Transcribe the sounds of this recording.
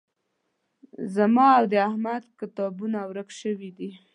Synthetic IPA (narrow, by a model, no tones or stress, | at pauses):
zamɑawd̪əahmad̪kɪt̪ɑbunawɾəkʃəwid̪i